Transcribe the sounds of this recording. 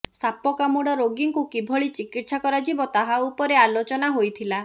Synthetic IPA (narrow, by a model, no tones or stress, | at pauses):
sapɔkamuɽɔɾoɡiŋkukibʱɔɭit͡ʃikit̪sakɔɾad͡ʒibɔt̪aɦaupɔɾealot͡ʃɔnaɦojt̪ʰila